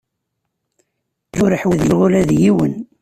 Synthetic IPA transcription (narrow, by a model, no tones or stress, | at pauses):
θʊɾəħwiðjəʁʊlæðjiwən